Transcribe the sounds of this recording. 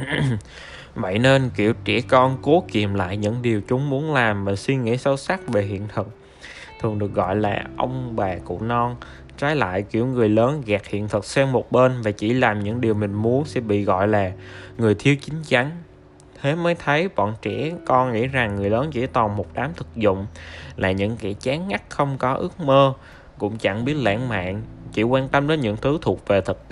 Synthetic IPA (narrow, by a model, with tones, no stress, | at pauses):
və̰˧˨jne˧nkḭ˧˩˨əwt͡ɕɛ̰˧˩kɔ˧nko˨˦ki˨˩əmla̰ː˧˨jɲɨ̰˧˥ŋɗi˨˩əwt͡ɕʊ˨˦ŋ͡mmu˨˦ənlaː˨˩mvaː˨˩swi˧ŋḭ˧˥sə˨˦wsa˦˥k̚ve˨˩ɦḭ˧˨ənt̪ʰɨ˨˩k̚ | t̪ʰɨ˨˩əŋɗɨ˨˩ək̚ɣɔ̰˧˨jla̰ː˨˩ʔə˧wŋ͡mɓaː˨˩kṵ˧˨nɔ˧n | t͡ɕaː˨˦jla̰ː˧˨jkḭ˧˩əwŋɨ˨˩əjləː˨˦nɣɛː˨˩k̚hḭ˧˨ənt̪ʰɨ˨˩k̚sɛ˧mmo˨˩t̚ɓe˧nvaː˨˩t͡ɕi˧˩laː˨˩mɲɨ̰˧˥ŋɗi˨˩əwm˨˩ŋ̟mu˨˦ənsɛ̰˧˥ɓḭ˧˨ɣɔ̰˧˨jlaː˨˩ŋɨ˨˩əjt̪ʰi˧əwt͡ɕï˨˦ŋ̟t͡ɕa˨˦ŋ | t̪ʰe˨˦məː˨˦jt̪ʰə˨˦jɓɔ̰˧˨nt͡ɕɛ̰˧˥kɔ˧nŋḭ˧˥za˨˩ŋːɨ˨˩əjləː˨˦nt͡ɕḭ˧˥t̪ɔ˨˩mo˨˩t̚ɗaː˨˦mt̪ʰɨ˨˩k̚zʊ̰˧˨ŋ͡mla̰ː˨˩ɲɨ̰˧˥ŋkɛː˧˥t͡ɕaː˨˦ŋːa˦˥k̚xə˧wŋ͡mkɔ˨˦ʔɨ˦˥ək̚məː˧ | kʊ̰˧˥ŋ͡mt͡ɕa˧˥ŋɓi˦˥ət̚lɛ̰ː˧˥ŋma̰ː˧˨nt͡ɕi˧˩kwaː˧nt̪ə˧mɗəː˨˦nɲɨ̰˧˥ŋt̪ʰɨ˨˦t̪ʰu˨˩ək̚ve˨˩t̪ʰɨ˨˩t̚t̪